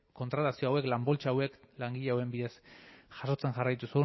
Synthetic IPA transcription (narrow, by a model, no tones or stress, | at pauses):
ko̞nt̪ɾat̪asioawe̞klambo̞lt͡ʃaawe̞klaŋɡiʎeawembiðe̞sxaʃo̞t͡se̞ŋʝarajt̪usu